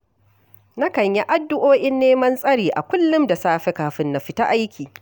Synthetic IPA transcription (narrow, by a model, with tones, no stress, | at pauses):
na˦kɐ˨ɲja˦ʔa˦dːʊ˦ʔoː˦ʔɪ˦nːeː˦mɐ˦nsʼɐ˦ɽiː˨ʔa̰˨kʷʊ˦lːʊ˦mda˨saː˦ɸe˦kaː˨ɸɪ˦nːa˨ɸɪ˦ta˦ʔa˦jkʲʰiː˨